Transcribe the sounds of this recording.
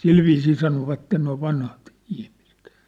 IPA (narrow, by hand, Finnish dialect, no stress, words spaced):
silʋiːsiː sɑnoʋɑtːen noi ʋɑnhɑt ihmise̥t